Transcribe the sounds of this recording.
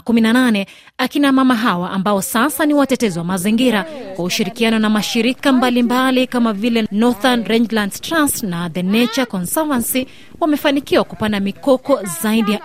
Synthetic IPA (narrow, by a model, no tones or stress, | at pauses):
kuminananɛ | akinamamaɦawaʔambaɔsasaniwatɛtɛzɔwamaziŋɡiɾakwauʃiɾikianɔnamaʃiɾikambalimbalikamavilɛnɔθanɾɛnd͡ʒlandtɾastnaðɛnɛt͡ʃakɔnsavansi | wamɛfanikiwakupandamikɔkɔzaiɗija